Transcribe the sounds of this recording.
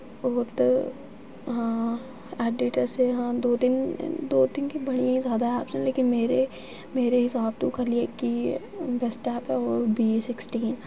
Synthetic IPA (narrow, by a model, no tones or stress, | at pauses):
ɔːɾt̪o | ɦãː | ɛːɖɪːʈəɾseɦãːd̪oːt̪ɪn̰d̪oːt̪ɪnkibɐɽ̃ijãĩzjaːd̪aɦɛaːpseleːkɪnmeːɾe | meːɾeɦɪsaːb̚t̪õkɐɾliekːibɛsʈɛːpɦɛɔːɾbiːesɪksʈiːn